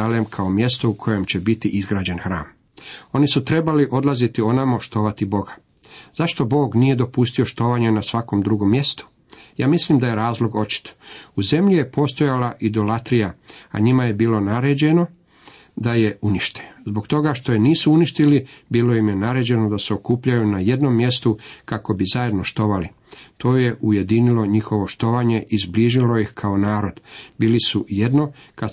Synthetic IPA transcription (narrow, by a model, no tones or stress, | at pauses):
alemkʰao̞mje̞st̪o̞ukʰo̞je̞mt͡ɕe̞bit̪iʔizɡɾaːd͡ʑe̞nxɾa̰ːm | o̞nisut̪ɾe̞baliʔo̞d̪lˠazit̪io̞namo̞ʃt̪o̞ːʋat̪ibo̞ɡḁ | z̥aʃt̪o̞bo̞ːɡnije̞d̪o̞pust̪io̞ʃt̪o̞ːʋaːɲanasʋako̞md̪ɾuɡo̞mːje̞st̪o̥ | jaːmislimd̪aje̞ɾaːzlˠo̞ɡo̞t͡ɕi̥t̪ʰo̥uze̞mʎijepʰo̞ːst̪o̞jalaʔid̪o̞lat̪ɾijaa̰ɲimaje̞biːlo̞naɾe̞ːd͡ʑe̞no̞ | d̪aje̞uniʃt̪e̥zbo̞ɡt̪o̞ɡaʃt̪o̞jeniːsuuniʃt̪ilibiːlo̞jimjenaɾe̞ːd͡ʑe̞nod̪ase̞okuːpʎajunaje̞d̪no̞mːje̞st̪ukako̞bizaje̞d̪no̞ʃt̪o̞ʋali | t̪o̞ːje̞ʔuje̞d̪inilo̞ɲixo̞ʋo̞ʃt̪o̞ʋaːɲe̞ʔizbliːʒilo̞jixkʰao̞naːɾo̞d̪̥biːlisuje̞d̪no̞ka